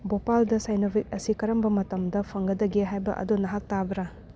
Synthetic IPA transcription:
bopaldɐsajnobʰik̚ɐsikɐɾɐmbɐmɐtɐmdɐpʰɐŋɡɐdɐɡeɦajbɐ̰ʔɐ̰donɐɦak̚tabɐɾɐ

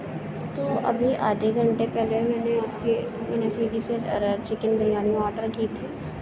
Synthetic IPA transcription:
t̪oːʔɐ̰bʱiʔa̰ːd̪ʱeɡɐ̃ɳʈepɛːlemɛːneapke | mɛːnesiːɖiset͡ʃɪkɪnbʱəɾijaːniɔːɾʈəɾkiːt̪ʰiː

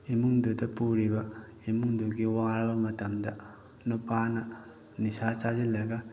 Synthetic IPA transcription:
imuŋdudɐpuɾibɐ | imuŋduɡiwaɾbɐmɐtɐmdɐ | nupanɐ | nisasazilɐɡɐ

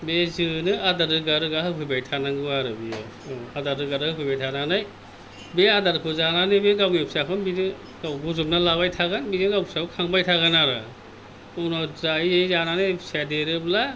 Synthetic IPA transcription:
bezɯnɯadaɾɯɡaɾɯɡahɯpʰɯjbajtʰanaŋɡɯaɾɯbijɯ | adaɾɯɡaɾɯhɯpʰɯjbajtʰananaj | beadaɾkʰɯzananɯbeɡawɡip̚sakʰɯnbidɯ | ɡawɡuzup̚nalabajtʰaɡanbidɯɡawpsaukʰaŋbajtʰaɣanaɾɯ | ɔnɔzaiejzananɯbsadeɾɯbla

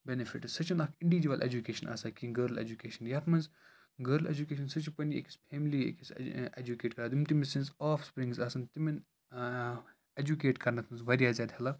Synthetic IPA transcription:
benefʰḭʈsɐt͡ʃɐnɐkʰɪɳɖiʋid͡ʒuʋɐlʔḛd͡ʒukeːʃɐnʔa̰ːsɐkiɡəːɾlḛd͡ʒukeːʃɐnjaːt̪ʰmɐnz | ɡəːɾlḛd͡ʒukeːʃ̬ɐnsɐt͡ʃupɐniḛkʰi̥spʰeːmliḛkised͡ʒukeːʈkɐɾaːd̪umt̪imisẽnsɔːfspɾĩŋɡzaːsɐnt̪imin | ed͡ʒukeːʈkɐɾnɐt̪ʰmɐnzʋɐɾiaːzʲaːd̪hɐlɐ

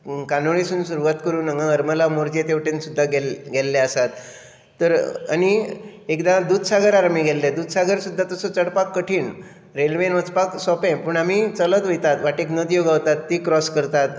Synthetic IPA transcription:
kanoɭesuːnsuɾuʋat̪kəɾuːnəŋɡãəɾməlamoɾd͡ʑet̪eʋʈensud̪ʱːaɡɛlɡɛlːeəsat̪ː | əɾa̰ñiekd̪ãd̪ud̪saɡəɾaɾamiɡʱɛlːed̪ud̪saɡəɾsud̪ʱːat̪əsət͡səɽpakːəʈʰiːɳ | ɾelʋenʋət͡spaksɔpɛ̃pəɳam̤it͡sələt̪ʋojt̪at̪ʋaʈeknəd̪ijoɡaʋt̪at̪ːikɾɔskəɾt̪at̪

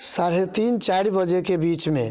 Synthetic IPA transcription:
saɽet̪int͡ʃaɽibəd͡ʒekebit͡ʃmẽ

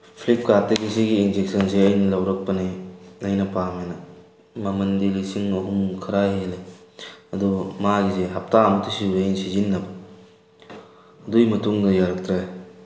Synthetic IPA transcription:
pʰlip̚kateɡisiɡiːnd͡ʒek̚sɐnseɐjnɐlɐwɾɐk̚pɐniɐjnɐpamenɐ | mɐmɐndilisiŋɐɦumkʰɐɾajɦele | ɐdumaɡiseɦɐp̚taɐmɐtisiɾejnsizinːɐbɐ | ɐdujmɐtuŋdɐjaɾɐk̚t̪ɾaj

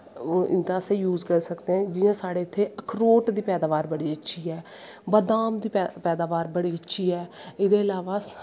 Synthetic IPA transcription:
ɪ̰nd̪aːsẽːjuːzkəɾsəkd̪eɦɛ̃ːd͡ʒɪjãːsaːɽeːɪt̪ʰːeːəkʰɾoːʈd̪iːpɛːd̪aːʋaːɾbəɽiːətːʃʰiːɛː | bəd̪aːmd̪iːpɛːd̪aːʋaːɾbəɽiːətːʃʰiːɛːɪd̪eːɪlaːʋaː

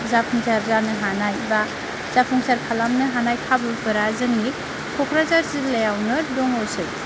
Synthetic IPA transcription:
zapʰuŋsaɾzanɯɦanajba | z̥apʰuŋsaɾkʰalamnɯɦanajkʰabɯbɯɾazɯŋni | kʰɔkʰɾazaɾsilajawnɯɾdɔŋɔsɯj

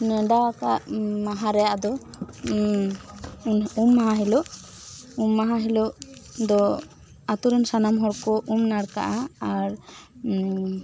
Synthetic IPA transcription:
nɛɖakaʔmaɦaɾɛjaʔd̪ɔ | numːaɦãɦiloʔ | umːaɦaɦilɔʔd̪ɔ | at̪uɾɛnsanamɦɔɾkɔʔumnaɽka̰ʔaaɾ

